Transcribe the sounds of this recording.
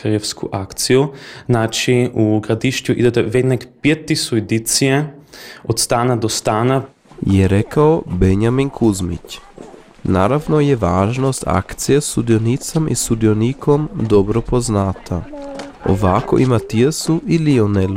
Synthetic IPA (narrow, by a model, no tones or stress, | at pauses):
ɾefskʰṵʔakt̪sijuznat͡ʃiuɡɾad̪iʃtuʔḭd̪ɛt̪ɛʋed̪nɛkpjet̪ːisued̪it̪sijɛot̪st̪aːnad̪ost̪aːna | jɛɾekaobeɲaminkʰuzmḭt͡ɕ | naɾaʋnojeʋaːʒnost̪a̰kt̪sijest̪ud̪ijonit̪samḭst̪ud̪ijonikʰomd̪obɾopoznat̪ʰao̰ʋako̰ʔimat̪iesuʔilionelu